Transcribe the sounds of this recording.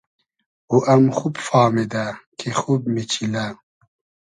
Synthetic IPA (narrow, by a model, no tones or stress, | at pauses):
uʔɐmxubfaːmid̪akʰexubmit͡ɕʰila